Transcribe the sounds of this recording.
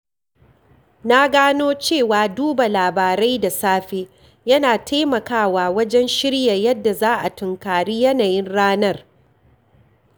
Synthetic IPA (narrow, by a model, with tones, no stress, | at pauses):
na˦ɡaː˦noː˦t͡ʃeː˦˨waː˨duː˦ba˨laː˨baː˨ɾa˦jda˨saː˦ɸeː˦ | jɐ˦naː˨tʰa˦jmɐ˨kaː˦˨waː˨wɐ˦d͡ʒɛ˦nʃɪ˦ɽja˨jɐ˦dːa˨zaː˦ʔa˨tʊ˨ŋkaː˨ɽiː˦jɐ˦naː˨jɪ˦nɽaː˦nɐ˦r